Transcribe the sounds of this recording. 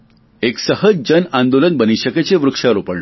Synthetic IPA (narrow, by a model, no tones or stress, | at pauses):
eksəɦəd͡zd͡ʑənãnd̪olənbəniɕəket͡seʋɾukʂaɾopəɽ